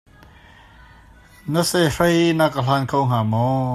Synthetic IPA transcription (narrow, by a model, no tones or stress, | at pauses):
nəsɛrəjnakəl̥aːnkʰowŋ̥aːmɔ